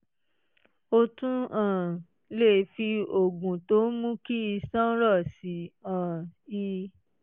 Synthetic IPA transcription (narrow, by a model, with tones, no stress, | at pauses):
o˧tũ˦ã˨ | le˦˨fi˧o˨ɡũ˨to˨˦mũ˦ki˦i˧sã˦ɾɔ˦˨si˨˦ã˨i˧